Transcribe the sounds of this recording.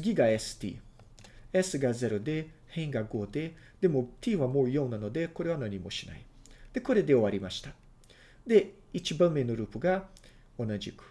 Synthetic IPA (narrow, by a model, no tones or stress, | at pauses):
t͡sɨɡʲiɡaesɨ̥t̪ḭː | esɨɡaze̞ɾod̪e̞ | hẽ̞ŋɡaɡo̞ːd̪e̞ | d̪̥e̞mo̞t̪ʲiːβamo̞ːjõ̞nːano̞d̪e̞ko̞ɾe̞β̞anaɲ̟imo̞ɕina̰i | d̪̥e̞ko̞ɾe̞d̪e̞o̞βaɾʲimaɕi̥t̪a | d̪e̞ | it͡ɕibãmːe̞no̞ɾɯ̟ːpɯ̟ɡa | o̞naʑikɯ̟̥